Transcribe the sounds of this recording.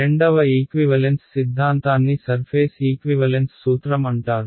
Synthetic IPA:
eɳɖɐʋɐiːkʋiʋɐlensːid̪ʱːaːnt̪aːnːisɐɾpʰeːsiːkʋiʋɐlensːuːt̪ɾɐmɐɳʈaːɾu

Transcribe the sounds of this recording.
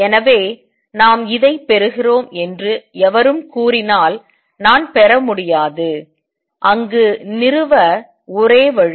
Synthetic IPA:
ɛnɐʋeː | naːmɪðɐɪpːɛɾɯɣɪroːmɛndrɯɛʋɐɾɯmkuːrɪnaːl | naːnpɛɾɐmʊɽɪjaːðɯ | ʔɐŋɡɯnɪrɯʋɐ | ʊɾeːʋɐɻ

